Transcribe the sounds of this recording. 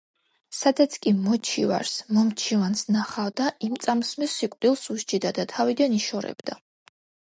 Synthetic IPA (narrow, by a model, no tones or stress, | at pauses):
sad̪at̪sʰkʼimɔt͡ʃʰiva̰ɾsmɔmt͡ʃʰivansnaχavd̪aʔimt̪sʼamsmisikʼd̪ilˠsuʃt͡ʃʼid̪ad̪at̪ʰavid̪aniʃɔɾɛ̰bd̪a